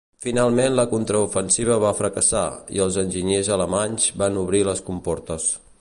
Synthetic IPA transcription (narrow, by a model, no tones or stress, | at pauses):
finalˠmenləkunt̪ɾəufənsiβ̞əβafɾəkəsa̰ḭəlˠzənʲʒiɲezələmaɲzbanuβɾiləskumpɔɾt̪əs